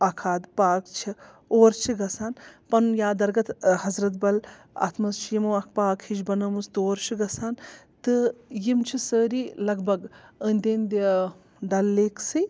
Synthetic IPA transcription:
ɐkʰaːd̪paːkt͡ʃʰi | oːɾt͡ʃʰiɡɐsaːnpɐnjaːd̪ɐɾɡɐt̪hɐzɾɐt̪bɐl | a̰ːt̪ʰmɐzt͡ʃʰijimoɐk̚ʰpaːkʰhid͡ʒbɐnɐmust̪oːɾt͡ʃʰiɡɐsaːnt̪ɨjimt͡ʃʰisəːɾiːlɐɡbɐɡənʲd̪ʲend̪ʲi | ɖɐlːeːksɨj

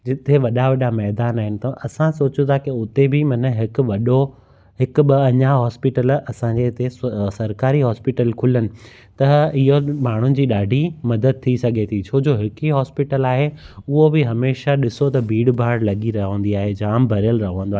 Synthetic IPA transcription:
d͡ʑɪt̪ʰeʋɐɗaʋɐɗamɛɦd̪aːnaːɦɪnɪ̆t̪ɐʔɐsãsoːt͡ɕũt̪ʰakiʊt̪ebɪmɐnəɦɪkʋɐɗo | ɦɪkʊɓɐɐɲaɦɔːspɪʈəlɐsãɲd͡ʑet̪esɐɾkaːɾiɦɔːspɪʈəlkʰʊlənɪ̆ | t̪ɐɪɦomaːɳ̤ʊnɪ̆d͡ʑiːɗaːɖʱimɐd̪əd̪̚t̪ʰisɐɡʱet̪ʰit͡ɕʰoːd͡ʑoːɦɪkiɦɔːspɪʈəlaːɦeʊɦobɪɦɐmeːʃaɗɪsot̪ɐbʱiːɽbʱaːɽlɐɠiɾɐɦə̃nd̪iaːɦed͡ʑaːmbʱɐɾijəlɾɐɦə̃ə̃nd̪oa

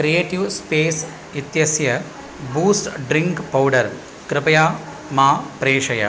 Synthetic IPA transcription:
kɾieːʈiʋspeːs | it̪jɐsjɐ | buːsʈɖɾiŋkpɐwɖɐɾ | kɾɪpɐjaː | maːpɾeːʂɐjɐ̰

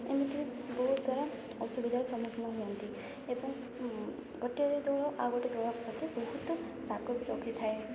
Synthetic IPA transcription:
ḛmit̪iibɔɦut̪d̪waɾa | ɔsubid̪ʱaɾɔsɔmɔkʰnɔɦuɔnt̪i | ebɔŋ | ɡɔʈiɔɾed̪ɔɭɔʔaɡɔʈed̪ɔɭɔpɾɔt̪ebɔɦut̪ɔ | ɾakɔbiɾɔkʰit̪ʰae

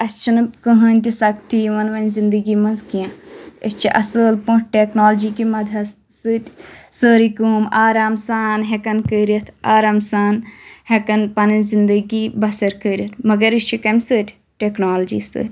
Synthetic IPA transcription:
ɐst͡ʃʰinɨkəɦɐnʲt̪ʲisɐkt̪ʰiːʋɐnʋɐnʲzind̪əɡiːmɐnzkijãːəsʲt͡ʃʰiʔɐsəːlpũʈʈeːknoːld͡ʒiːkimɐd̪ʱɐssɨːt̪ʲsəːɾikumaːɾaːmsaːnɦekɐnkəːɾit̪ʰaːɾaːmsaːnhekɐnpɐnɨzind̪əɡiːbɐsɐɾkəɾit̪ʰmɐɡɐɾit͡ʃʰikɐmʲsɨːt̪ʲ | ʈeːknaːld͡ʒḭːsɨ̰ːt̪ʲ

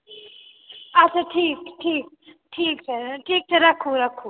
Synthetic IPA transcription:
ɐt͡ʃʰaʈʰiːkʈʰiːk̚ | ʈʰiːk̚t͡ʃʰɐʈʰiːk̚t͡ʃʰʌɾɐkʰuɾɐkʰu

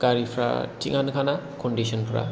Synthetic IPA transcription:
ɡ̥aɾipʰɾa̰tḭŋankʰanakɔndisɔnpʰɾa̰

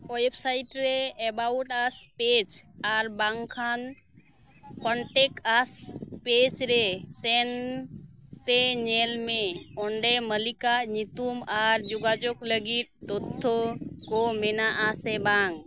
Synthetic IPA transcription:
ɔjpsaiʈɾeɛbawʈaspet͡ʃaɾbaŋkʰan | kɔɳʈekaspet͡ʃɾesɛn | t̪eɲelmẽɔɳɖeməlikaɲit̪umaɾd͡ʒuɡad͡ʒokləɡit̪̚t̪ot̪ʰːokɔmɛnaʔasɛbaŋ

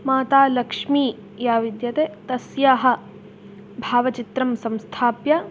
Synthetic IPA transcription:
maːt̪aːlɐkʂmiː | jaːʋid̪jɐt̪eːt̪ɐsjaːɦɐ̆ | bʱaːʋɐt͡ʃit̪ɾɐmsɐ̃mst̪ʰaːpjɐ

